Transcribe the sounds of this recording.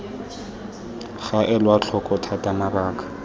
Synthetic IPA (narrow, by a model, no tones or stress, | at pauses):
χaʔɛlwat͡ɬʰɔkʼɔtʰatamaraːkḁ